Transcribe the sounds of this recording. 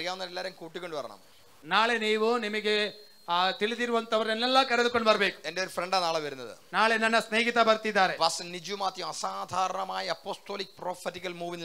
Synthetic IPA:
ɐlkaːʋɐnːɐlelːaːɾumkuːʈːikʲːo̞ɳɖɨpɐɾɐ̰ɳɐ̰m | naːɭeniːʋɨnimiɣe | t̪iɭiðiɾuʋɐnt̪ːɐʋɐrnenːelːɐkɐɾɐðukːoɳɖbɐrɐbeːkːumendeoɾufreɳɖaːnaːɭeʋɐɾunːɐðɨ̰naːɭenɐnːɐsneːɡit̪ːabɐrt̪ːiðaːɾeʋɐsnid͡ʑumaːt̪ːjɐmɐsaːd̪ʱaːɾɐɳɐmaːjɐɐpːoːst̪o̞ːlik̚ːproːfɐtːikːɐlmuːʋin

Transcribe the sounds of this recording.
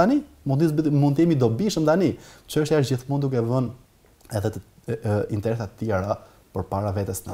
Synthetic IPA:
ani | mund̪ismunt̪imid̪ɔbiʃəmt̪anit͡ʃəʃt̪jaʃd͡ʑiθmund̪ukɛvən | ɛðɛt̪ | int̪ɛɾɛsat̪ət̪ːjɛɾa | pəɾpaɾavɛt̪əsnə

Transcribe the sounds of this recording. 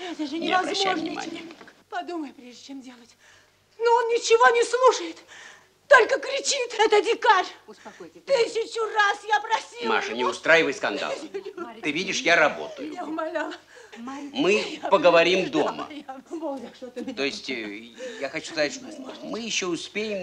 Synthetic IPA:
ɛt̪əʐɨnʲnʲɪ̰vɐzmːoɛvnʲɪ̰ma̰nʲɪ̰jə | pɐd̪uməjʊpɾʲeʐdʲɪt͡ɕemdʲe̞lˠətʲ | noonnʲɪt͡ɕɪvonʲɪslˠuʂəjɪt̪ | t̪o̞lʲkəkɾʲɪt͡ɕit̪ɛt̪ədʲɪkaɾʲsɐt̪ɨsʲɪt͡ɕʊrasjapɾɐsʲima̰ʂənʲɪʊst̪ɾajɪvəjskɐnd̪a̰llˠt̪ɨvʲidʲɪʂjaɾɐbo̞̰t̪əjʊ̰jaʊmɐlʲalˠʲ | mɨpəɡəvɐɾʲimd̪o̞mə̰ | t̪oɪsʲtʲjaxɐt͡ɕu̥skɐzatʲʂt̪omɨjɪɕːoʊspʲejɪm

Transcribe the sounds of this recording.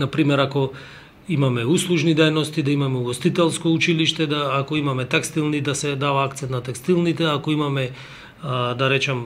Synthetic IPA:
napɾimɛɾako | imamɛuslˠuʒnid̪ɛjnɔst̪id̪aimamɛuɡost̪it̪ɛlˠskout͡ʃiliʃt̪ɛd̪aːkoimamɛt̪ɛkst̪ilˠnid̪asɛd̪avaakt̪sɛnt̪nat̪ɛkst̪ilˠnit̪ɛakoimamɛ | d̪aɾɛt͡ʃam

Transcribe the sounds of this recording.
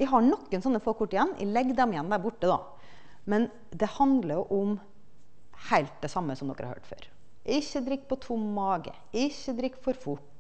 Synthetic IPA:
ʔæɦɑɳɔkːənsɔnːəfoːkʰʊʈːɪjɛnːʔæ̰lɛɡd̪ɛmɪjɛnːd̪æːɾbʊʈːəd̪ɑ̰ː | mɛn | d̪ɛhɑnd̪ləɾjʊʔʊm | hæɪlt̪̚d̪ɛsɑmːəsɔmd̪ɔ̰kːəɾɑ̰hø̰ːʈfø̰ːɾ | ɪçːəd̪ɾɪkːpɔt̪ʰʊmːɑːɡə̰ | ɪçːəd̪ɾɪkːfɔɾfʊʈː

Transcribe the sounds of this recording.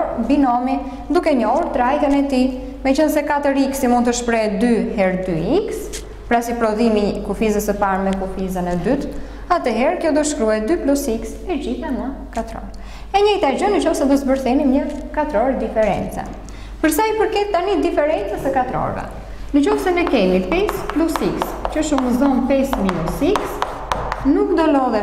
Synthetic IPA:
ɾbinɔmi | d̪ukɛɲɔhuɾt̪ɾajt̪ənɛt̪i | mɛt͡ʃənsɛkat̪əɾiksimund̪̚t̪əʃpɾɛd̪yhɛɾd̪yiks | pɾasipɾɔðimikufizəsəpaɾmɛkufizənɛd̪yt̪ | at̪ɛɦɛɾkəɔd̪ɔʃkɾuɛd̪yplɔsiksɛd͡ʑiθanə | kat̪ɾɔ̰ɾ | ɛɲɛjt̪ad͡ʑɔnət͡ʃɔfsɛd̪ɔsbəɾθɛnimɲəkat̪ɾɔɾd̪ifɛɾɛ̰nt͡sɛ̰ | pəɾsajpəɾkɛt̪̚ːanid̪ifɛɾɛnt͡sɛsəkat̪ɾɔ̰ɾvɛ̰ | nət͡ʃɔfsɛnɛkɛmipɛsplusikst͡ʃəʃuməzɔnpɛsminusiks | nukd̪ɔlɔðɛ

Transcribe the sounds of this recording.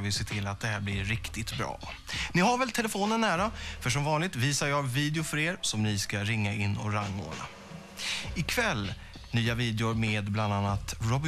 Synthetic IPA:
vɪsɛt̪ʰɪlːat̪̚d̪ɛɦæːɾblɪɾːɪkt̪ɪt̪bɾɑ̰ː | nɪɦaɾvɛlt̪ʰɛlɛfoːnənːæːɾafœʂ̬ɔmvɑːnlɪɡ̚t̪viːsaɾjɑːɡviːd̪ɪʊfœɾeːɾsɔmnɪskaɾɪŋːaɪnːɔ̰ɾaŋːo̰ːla̰ | ɪkʰvɛlː | nyːaviːd̪ɛʊɾmeːd̪bland̪anːat̪ɾɔb

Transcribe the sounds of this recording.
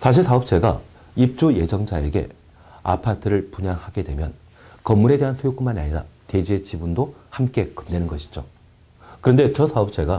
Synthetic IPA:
sʰaɕ̬ʰiɭsʰaʌp̚t͡ɕ͈e̞ɡa̰ | ip̚t͡ɕ͈uje̞d͡ʑʌŋd͡ʑae̞̰ɡe̞̰ | a̰pʰatʰɯɾɯɭpuɲaŋhaɡe̞dwe̞mjʌn | kʌmːuɾe̞de̞ɦansʰujok͈umanaɲiɾa̰te̞d͡ʑet͡ɕibundohamk͈e̞kɯ̥mnenɯnɡʌɕʰi̥d͡ʑo | kɯɾʌnde̞t͡ɕʌsʰaʌp̚t͡ɕ͈ʰe̞ɡa

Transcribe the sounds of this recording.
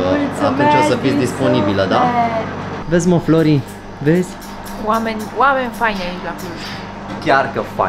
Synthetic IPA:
a̰t̪unt͡ʃosəfid̪isponibiləd̪a | vezʲmofloɾi | vezʲ | wamenʲwamenʲfajnailaklus | kʲjarkəfa̰

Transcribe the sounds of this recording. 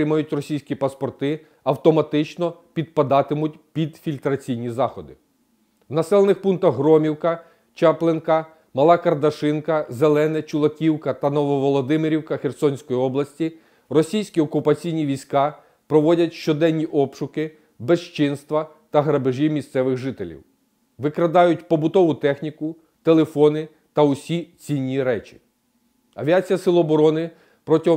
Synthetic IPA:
ɪmɐjʊt̚ʲrɔsʲijsʲkʲipɐspɔrt̪ɪ | ɐwt̪ɔmɐt̪ɪt͡ʃnɔpʲid̪̚pɐd̪ɑt̪ɪmʊtʲpʲid̪fʲilʲt̪ɾɐt͡sʲijnʲizɑxɔd̪ɪ | wnɐsɛlˠenɪxpunt̪ɐɦɾɔmʲiwkɐ | t͡ʃɑplˠenkɐ | mɐlˠɑkɐrd̪ɐʃɪnkɐzelˠɛnɛt͡ʃʊlˠɐkʲiwkɐt̪ɐnɔʋɔʋɔlˠɔd̪ɪmɪɾʲiwkɐxersɔnʲsʲkɔjiɔblˠɐsʲtʲi | rɔsʲijsʲkʲiɔkʊpɐt͡sʲijnʲiʋʲijsʲkɑ | pɾɔʋɔdʲɐtʲʃt͡ʃɔd̪ɛnʲːiʔɔpʃʊkɪ | beʃt͡ʃɪnst̪ʋɐ | t̪ɐɦɾɐbɪʒʲimʲist̪sɛʋɪɣʒɪt̪elʲḭw | ʋɪkɾɐd̪ɑjʊtʲpɔbʊt̪ɔʋʊt̪ɛxnʲikʊ | t̪elˠefɔnɪ | t̪ɐʊsʲit͡sʲinʲːiɾɛt͡ʃʲi̥ | ɐ̰ʋʲiat͡sʲijɐsɪlˠɔɔbɔɾɔnɪ | pɾɔtʲiɦɔ

